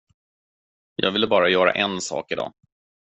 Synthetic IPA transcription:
jɑ̰ːɡvɪlːəbɑːɾajœːɾa̰ʔɛnsɑ̰ːkɪd̪ɑ̰ː

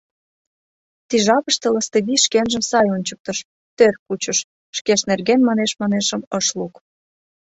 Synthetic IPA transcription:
t̪iʒɑpəʃt̪ələst̪eβiʃkenʒəmsɑjonʲt͡ɕək̚t̪əʃ | t̪ørkut͡ɕəʃ | ʃkeʃnerɣenmɑneʃmɑneʃə̆məʃluk

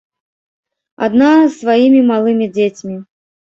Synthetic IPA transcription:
a̰d̪nasvajimʲimalˠɨmʲid͡zʲet͡sʲmʲi

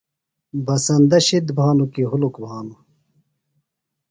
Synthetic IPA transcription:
bɐsɐnd̪ɐɕid̪bʱaːnukiɦulukbʱaːnu

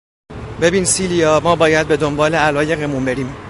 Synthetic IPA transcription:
be̞biːnsiːlijɒːmɒːbɒːjæd̪̚be̞d̪o̞mbɒːleælɒːje̞ɣemunbe̞ɾiːm

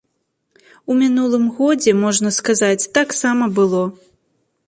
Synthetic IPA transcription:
umʲinulˠɨmɣɔd͡zʲɛmɔʐnɐskazat͡sʲt̪aksamɐbɨlˠɔ

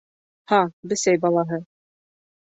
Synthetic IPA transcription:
hɑbɘ̆sæjbɑlˠɑɦɤ

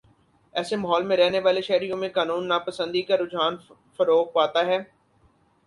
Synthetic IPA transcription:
ɛːsemaɦɔːlmẽɾɛɦneʋaːleʃɛɦɾijõmẽkaːnuːnːaːpəsə̃nd̪ikaɾʊd͡ʒʱaːn | fɐɾoːk̚paːt̪aɦɛː

